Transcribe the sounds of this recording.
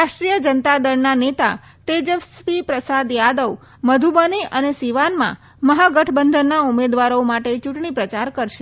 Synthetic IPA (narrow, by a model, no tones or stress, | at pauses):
ɾaʃʈɾijəd͡ʒənt̪ad̪əɾnanet̪a̰ | t̪ed͡ʒəʋsʋipɾəsad̪jad̪əʋ | məd̪ʱubəniʔənesiʋanmã̰ | məɦaɡəʈʰbənd̪ʱənːaumed̪ʋaɾomaʈet͡ʃuʈɳ̃ipɾət͡ʃaɾkəɾʃe